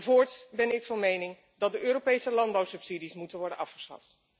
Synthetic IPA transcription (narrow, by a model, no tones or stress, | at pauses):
voːɹtbɛnɪkfɑnmejnɪŋ | dɑt̚dəʔøːɾopejsəlɑnbɑwsɵpsidismutənʋɔɹdənɑfχə̥sχɑ̰ft